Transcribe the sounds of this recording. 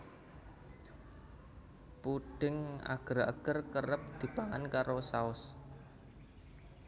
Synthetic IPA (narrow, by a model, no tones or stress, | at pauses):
puɖ̥ɪ̤ŋa̰ɡ̥ə̤ɾa̰ɡ̥ərkəɾəp̚d̪̥i̤paŋankaɾosaʊs